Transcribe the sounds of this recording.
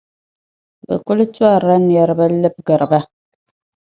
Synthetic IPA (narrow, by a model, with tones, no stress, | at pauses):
bɨ̰˨ku˦lt͡ʃwa˦˨ɾa˦n˨ɛ˨ɾba˦lɨ˦p̚ɡə˨ɾɨ˨ba˦